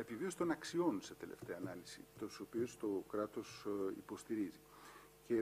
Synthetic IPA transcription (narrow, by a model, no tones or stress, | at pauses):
e̞pivio̞st̪o̞nɐksio̞nset̪e̞le̞̰ft̪e̞ɐːnɐlisḭt̪osopio̞st̪o̞kɾɐt̪o̞sḭpo̞st̪iɾizi | ce̞